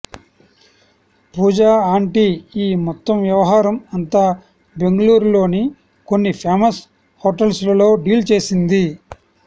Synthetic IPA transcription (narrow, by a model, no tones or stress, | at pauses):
puːd͡ʒaːaːɳʈiiːmɔt̪ːɐmʋjɐʋɐɦaːɾɐmɐnt̪aː | be̞ŋɡɐluːɾulo̞ːni | ko̞nːipʰeːmɐs | hoːʈɐlslɐlo̞ːɖiːlt͡ʃe̞ːsind̪i